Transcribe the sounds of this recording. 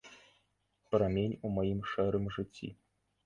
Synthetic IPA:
pɾamʲenʲumajimʂɛɾɨmʐɨt͡sʲːḭ

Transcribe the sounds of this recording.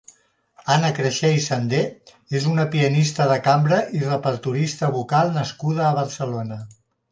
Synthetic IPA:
anəkɾəʃɛjsənd̪e | ezunəpiənist̪əðəkambɾəʔirəpəɾt̪uɾist̪əβukalˠnəskuð̞əːβ̞əɾsəlonə

